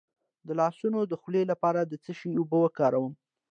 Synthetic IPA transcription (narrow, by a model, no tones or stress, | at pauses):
d̪əlɑsunod̪əxlelapɑɾad̪ət͡səʃiubəwəkɑɾawəm